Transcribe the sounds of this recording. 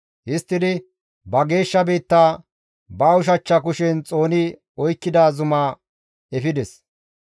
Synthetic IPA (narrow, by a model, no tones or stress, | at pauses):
hɪst̪ːɪd̪ɪ | bɐɡe̞ːʃːɐbiːt̪ːaː | bɐːʊʃ̬ɐt͡ʃːɐkʊʃɛnt͡sʼo̞ːnɪ | ɔjkːɪd̪aːzʊmaː | ɛfɪd̪ɛs